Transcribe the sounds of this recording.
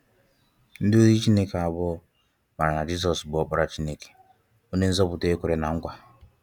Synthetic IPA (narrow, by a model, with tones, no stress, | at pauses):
n̩˦dɪ˦o˦zi˦t͡ʃi˦ne˦ke˨a˨bʊ˦ | ma˨ɾa˨na˨d͡ʒi˦s̬ɔ˨sbʊ˨ɔ˦k͡pʊ˦ɾa˨t͡ʃi˦ne˦ke̥˨ | o˦ne˦n̩˦zɔ˦pʊ˨te˦kʷʊ˦˨ɾe˨na˨ŋ̩˦kʷa˨